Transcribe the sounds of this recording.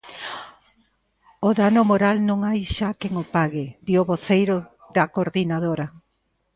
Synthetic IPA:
oðanomoɾalnõŋajʃakeŋopaɣɪd̪ioβoθejɾo | ðɐkoɾðinað̞oɾɐ

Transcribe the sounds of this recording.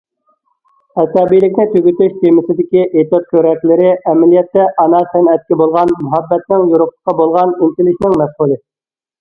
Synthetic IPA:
ɛsɑbijlɪkʲnɪt̪ʰøɡʲyt̪yʃt̪ʰemɪsɪd̪ɪkʲiʔet̪ot̪̚kʲʰøɾɛkʲlɪɾɪɛmælijɛt̪ːɛʔɑnɑsænɛt̪̚kʲɪbolˠʁɑnmʊɦɑbːɛt̪nɪŋjuɾʊχə̥qːɑbolˠʁɑnint̪ɪlɪʃnɪŋmɛsχulˠɨ

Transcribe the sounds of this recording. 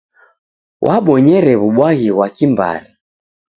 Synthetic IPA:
wʔaɓɔɲɛɾɛβuɓwaɣiɣwakimba̰ɾi

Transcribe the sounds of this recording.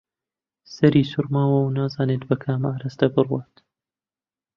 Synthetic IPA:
sɐɾiːsuɾmaːwɐwnaːzaːneːt̪bɐkʰaːmaːɾɐst̪ɐbɨrwaːt̪

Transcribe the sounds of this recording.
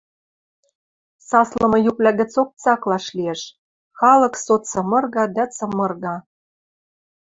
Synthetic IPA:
sɑslɤ̆mɤ̆juplʲæɣɘ̆t͡sok̚t͡sɑklɑʃlieʃ | xɑlɤ̆ksot͡sɤ̆mɤ̆rɣɑd̪æt͡sɤ̆mɤ̆rɣɑ

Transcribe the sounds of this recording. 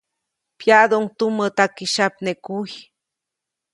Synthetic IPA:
pjad̪ouŋt̪umət̪akiʃapnekuj

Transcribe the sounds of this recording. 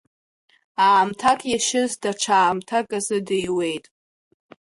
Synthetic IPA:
aːmtʰakʼjaʃɪzdaʈ͡ʂʷʰaːmtʰakʼazɨdɨjwe̞jtʼ

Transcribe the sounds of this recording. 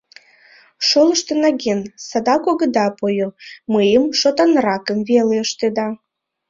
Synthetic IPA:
ʃoləʃt̪enɑɣensɑd̪ɑkoɣə̆d̪ɑpojoməjəmʃot̪ɑnrɑkəmveleəʃt̪ed̪ɑ

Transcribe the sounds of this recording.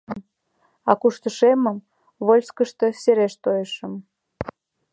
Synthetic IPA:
m | ɑkuʃt̪əʃeməm | βolʲskəʃt̪ə̆seɾeʃt̪ojeʃə̆m

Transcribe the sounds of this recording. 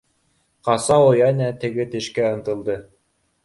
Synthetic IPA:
qɑsɑojɑnæt̪ɘ̆ɡɘt̪ɘ̆ʃkæɤ̆nt̪ɤ̆lˠd̪ɤ

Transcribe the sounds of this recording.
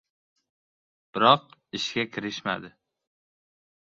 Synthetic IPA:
b̥ɪɾɒq̚ɪʃɡʲakʲʰɪɾɪʃma̰d̪ɪ

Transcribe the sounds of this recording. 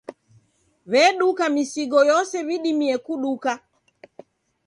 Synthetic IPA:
βɛɗukamisiɡɔjɔsɛβiɗimiɛkuɗuka

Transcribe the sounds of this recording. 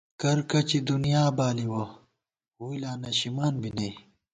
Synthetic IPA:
kɐɾkɐt͡ɕid̪unijaːbaːliwo | huilaːnɐɕimaːnbinɐj

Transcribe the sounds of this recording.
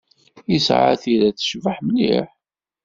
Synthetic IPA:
isʕa̰θiɾæθə̥ʃvəħməlːḭħ

